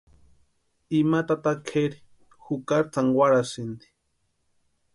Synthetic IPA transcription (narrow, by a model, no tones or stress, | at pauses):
imat̪at̪akʰeɾi̥ | xukaɾt͡saŋɡwaɾasind̪i̥